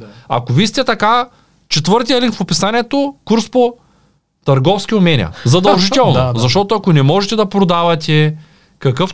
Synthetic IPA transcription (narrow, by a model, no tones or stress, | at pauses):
ɐ̰kovisi̥t̪ɛt̪ɐka | t͡ʃɛt̪vɤɾt̪ijəliŋkfopisaniɛt̪okuɾspo | t̪ɐɾɡɔfsk̟iʊmɛnʲḭɐ̰zɐd̪ɐllˠʒit̪ɛlˠnzɐʃt̪ɔt̪oɐkonɛmɔʒɛt̪ɛd̪ɐpɾod̪avɐt̪ʲɛ | kɐkɤf